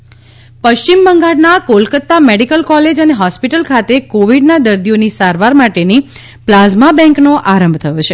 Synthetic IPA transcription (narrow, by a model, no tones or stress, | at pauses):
pəʃimːəŋɡaɽnakolkət̪ːameɽikəlkɔled͡ʒəneɦɔspiʈəlkʰat̪ekoʋiɖnad̪əɾd̪ijonisaɾʋaɾmaʈeni | plazmabɛ̃ŋknoʔaɾəmbʱt̪ʰəjot͡ʃʰe